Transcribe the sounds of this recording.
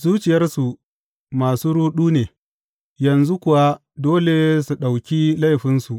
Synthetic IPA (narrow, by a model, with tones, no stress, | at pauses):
zuː˦t͡ʃɪ˨jɐ˦rsu˨ | maː˨suː˦ɾuː˦ɗuː˦neː˨ | jɐ˨nzu˦kʷʊ˨wa˦ | doː˦le˨su˨ɗa˨wkʲi˦la˦jɸɪ˦nsu˨ʔ